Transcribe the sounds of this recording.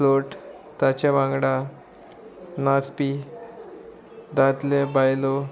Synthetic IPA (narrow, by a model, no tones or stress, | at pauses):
loʈ | t̪at͡ɕjaʋãŋɡɽa | naspi | d̪at̪lebajlo